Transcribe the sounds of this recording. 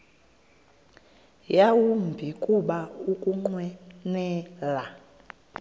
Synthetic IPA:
jawumbʱikʼuɓaukʼuŋ͡ǃwɛnɛla

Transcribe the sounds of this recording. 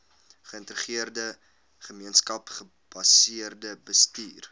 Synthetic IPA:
χəəntəɾəχiərdə | χəmiənskɐpχə | b̥ɐsiərdəbəstiːr

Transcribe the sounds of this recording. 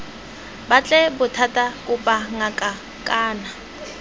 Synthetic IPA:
bat͡ɬʼɛbʊtʰatʼakʼʊpʼaŋakʼa | kʼaːna

